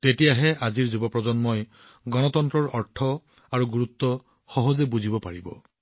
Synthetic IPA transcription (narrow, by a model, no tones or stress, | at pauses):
t̪etiaɦeʔad͡ʒiɾd͡ʒubɔpɾɔd͡ʒɔnmɔj | ɡɔnɔt̪ɔnt̪ɾɔɾɔɾʈʰɔ | aɾuɡuɾut̪ːɔ | xɔɦɔd͡ʒebud͡ʒʱibɔpaɹibɔ̰